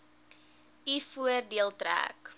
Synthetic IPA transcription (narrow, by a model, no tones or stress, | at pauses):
ifuərdiəlˠtɾæ̰ːk